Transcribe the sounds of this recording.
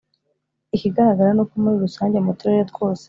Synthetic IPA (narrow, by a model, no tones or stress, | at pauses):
iciɡaɾaɡaɾanokomuɾiɾusaːɲɟe̞mutoɾeɾet̚ɡw̥o̞ːse̥